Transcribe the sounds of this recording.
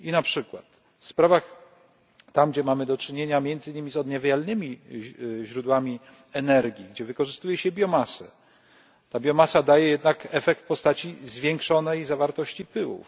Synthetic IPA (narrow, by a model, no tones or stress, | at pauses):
inapʂɘkwa̰t̪ | fspɾavax | t̪amɡd͡ʑɛmamɘd̪ɔt͡ʂɘɲeɲamʲjɛnd̪zɘɲimʲizɔd̪ɲavʲjalnɘmʲi | ʑɾud̪wamʲi | ɛnɛɾɡʲiɡd͡ʑɛvɘkɔʐɘst̪ujɛɕɛbʲjɔmasɛ̰ | t̪abʲjɔmasad̪ajɛjɛd̪nakɛfɛk̚t̪fpɔst̪at͡ɕizvʲjɛŋkʂɔnɛjzavaɾt̪ɔɕt͡ɕipɘwṵf